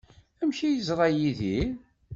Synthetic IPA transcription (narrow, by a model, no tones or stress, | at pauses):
æmçijəzˤɾˤɑjiði